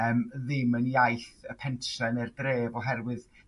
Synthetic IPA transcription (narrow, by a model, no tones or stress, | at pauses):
əmðɪməniajθəpʰɛnʃɛnərdreːvɔɦɛrwɨð